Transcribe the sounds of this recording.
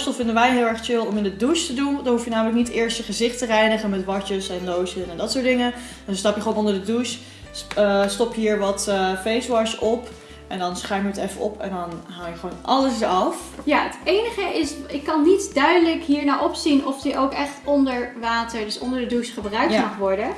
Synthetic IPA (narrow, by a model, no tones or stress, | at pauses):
stəlˠfɪndənʋɛjɦɪːlˠɛɹχt͡ʃɪlˠɔmɪndəduʃtədundɑnɦufjənaːmələk̚nitɪːɹstəχəzɪχtərɛjnəχənmɛtʋɑɹt͡ʃəsɛnːowsənɛndɑtsʊːdɪŋə | d̥ɔnstɑpjəχəoːnɔndəɹdədus | əstɔpjɦiːɹʋɑtfejsʋɑɹsɔp | ʔɛndɑnsχaɥməətɛfəɔ̰pɛ̰ndɑnɦawjəχəʋownʔɑləsəɑf | jaːətejnəχəʔɪsɪkːɑnːitdœɥdələkɦiːɹnaːʔɔpsinɔfdiʔowkɛχtɔndəɹʋaːtəɹdɵsɔ̰ndəɹdədusχəbrœɥkmɑχʋɔɹdə